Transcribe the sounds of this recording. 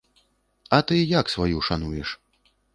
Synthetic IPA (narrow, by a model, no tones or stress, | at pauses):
ɐt̪ɨjaksvajuʂanujɛʂ